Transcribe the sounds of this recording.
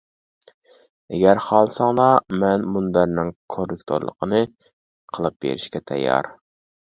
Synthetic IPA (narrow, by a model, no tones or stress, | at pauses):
ɛɡʲæɾhɑlˠsɑŋlˠɑmɛnmunbæɾnɪŋkʰorɪkt̪ʰo̰ɾlˠə̰qʰənɨ | qʰəlˠɨp̚bḛɾɪʃkʲɛt̪ʰɛ̰jːɑ̰ɾ